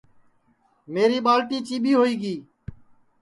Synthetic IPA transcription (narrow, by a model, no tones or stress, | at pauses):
meːɾiːɓaːlʈiːt͡ʃiːɓiːɦoːiːɡiː